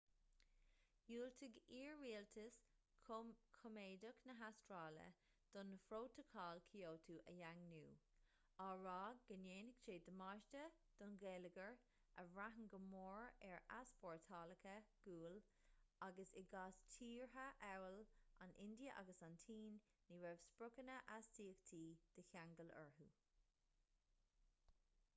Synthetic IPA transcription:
juːlt̪ʰəɡiːɹːiːltʰəs | kʰɔmeːdəknəɦastɹɑːlə̰ | d̪̥ɔnəfɾoːt̪ʰəkʰɑːlkʰioːt̪ʰuːʔəjaŋnuː | aɹɑːɡɡəneːnɪɡ̥ʃeːd̪əmɑʃtəd̪̥ɔnɡeːləɡəɹ | əvɹaɦəŋɡəmoːɹɛɹaspɔːɹt̪ʰɑːləkʰəɡ̥uːl | aɡəsɪɡaːstʰiːɹɦəʔɛwəlʔa̰nʔɪ̰nd̪iəʔa̰ɡəsant̪ʰiːnː | iɹɛvspɹʊkənəʔastiːəkt̪ʰiːd̪̥əçaŋɡələ̰ɹɦu

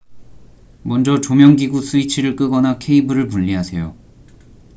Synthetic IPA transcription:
mʌnd͡ʑʌt͡ɕomjʌŋɡiɡusʰuit͡ɕʰiɾɯɭk͈ɯɡʌnakʰe̞ibɯɾɯɭpuʎːiɦasʰe̞jo

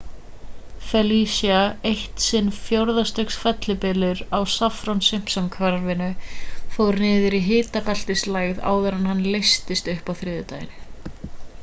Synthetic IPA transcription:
fɛlisjaejht̪sɪnfjowɾðast̪œksfɛt̪lɪpɪlʏɾawsafɾownsɪm̥psamkʰvaɾvɪnʏfowɾnɪːðɪɾiɦɪːt̪akal̥t̪ɪslaːjɣða̰ːwðaɾanhanːlejst̪ɪst̪ʏhpawθɾɪːðʏt̪ajɪnɪ

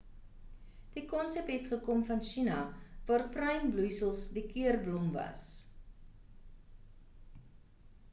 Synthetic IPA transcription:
d̥ikɔnsɛp̚tɦɛtχəkɔmfɐnʃinɐvɑːrprɐjmblujsəlˠsdikiərblɔmvɐ̰s

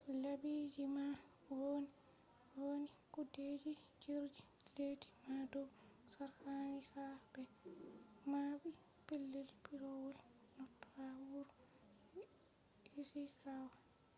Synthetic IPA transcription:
labid͡ʒima | woni | wonikuded͡ʒid͡ʒiɾd͡ʒileːdi̥madɔwsaɾhanihabɛ | mabi | pilːelipiɾowɔl | nɔtːɔhawuɾ | isikawa

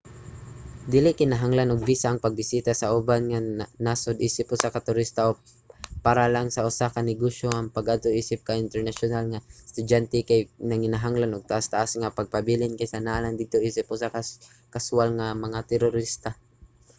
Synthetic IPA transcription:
d̪ɪlɪkɪnaɦaŋlanʊɡ̚bisaʔaŋpaɡ̚bɪsiːt̪asaʔʊbanŋanasʊd̪ʔiːsɪpʊsakat̪ʊɾist̪aʔo | paɾalaŋsaʔʊsakanɪɡoʃjoʔaŋpaɡad̪̚t̪oʔiːsɪp̚kaʔɪnt̪ɛɹnaʃʊnalŋast̪ʊdant̪ɛkajnɐŋɪnaɦaŋlanʊɡ̚t̪aʔast̪aʔasŋapaɡ̚pabilɪnkajsanaland̪ɪd̪̚t̪oʔiːsɪp̚hʊsaka | kasʊalŋamɐŋat̪ɛɾʊɾist̪a

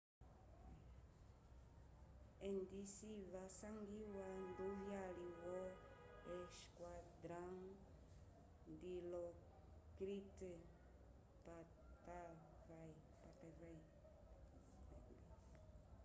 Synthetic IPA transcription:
endisivasãŋɡiwanduɦjaliwɔ | ɛʃkwad̪ɾãŋ | d̪ilɔ | kɾite | pa | t̪a | vaj | pat̪ɛvaj

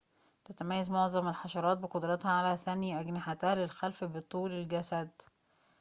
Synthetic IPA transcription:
t̪æt̪æmæjːæzmoʕzˤɑmelħɑʃɑɾˤɑːt̪̚beqod̪ɾˤɑt̪hæʕalæθænjʔæɡnɪħat̪æːlelxælfbet̪ˤːuːlelɡæsæd̪

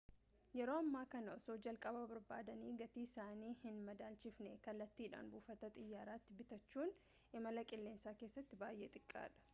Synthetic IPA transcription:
jɛɾo̞ːɐmːaːkɐnɐɔsoːd͡ʒɐlkʼɐbɐbɐɾba̰ːd̪ɐniːɡɐt̪iːɪsaːniːhɪnmɐd̪aːlt͡ʃɪfnɛkɐlːɐt̪ːiːᶑa̰ːnbuːfɐt̪ɐt̪ʼɪjːaːɾaːt̪ːɪbɪt̪ɐt͡ʃːuːn | ʔɪmɐlɐkʼɪlːe̞ːnsaːke̞ːsːɐt̪ːɪbaːjʔeːt̪ʼɪkʼːa̰ːᶑɐ̥

